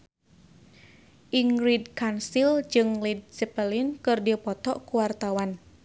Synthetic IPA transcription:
ʔiŋridkansild͡ʒɨŋlid̚sɛpəlinkɨrdipɔt̪ɔʔkuwart̪awan

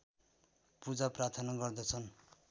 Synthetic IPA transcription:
pud͡zaprat̪ʰʌnaɡʌrd̪ʌt͡sʰʌn

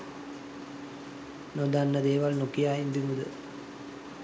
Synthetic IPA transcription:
nod̪anːəd̪eːʋalnukijaːjimbimud̪ə

